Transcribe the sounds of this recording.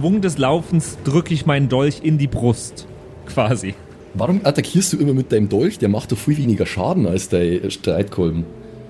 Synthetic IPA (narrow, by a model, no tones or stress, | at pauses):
v̥ʊŋdɛs̬laʊfn̩sd̥ʁʏkəɪçmaɪndɔlçɪndiːbʁʊst | kv̥aːzi | vaʁʊmʔatakʰiːɐstd̥uːʔɪmɐmɪt̚d̥aɪnəmdɔlçd̥eːɐmaχtd̥ɔχfʁ̥yːveːnɪɡɐʃa̰ːdn̩alsd̥aɪʃtʁ̥aɪtkʰɔlm̩